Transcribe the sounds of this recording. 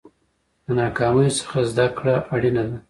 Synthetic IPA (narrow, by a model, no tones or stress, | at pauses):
d̪ənɑkɑməjosə̥xazd̪akɽaʔaɽinad̪a